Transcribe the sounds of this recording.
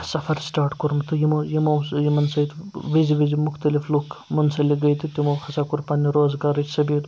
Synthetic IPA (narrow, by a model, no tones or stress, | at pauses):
sɐfʰɐɾsʈaːɾʈkoɾmt̪ʰɨjimɐjimɐwsjimɐnsɐit̪ʋiziʋizimʊxt̪ɐliflukmɐnsɐliɡɐjt̪ʰit̪ʲimɐwxʰɐsaːkuɾpɐnːiɾoːzɡaːɾɐt͡ʃʰsɐbiːɾ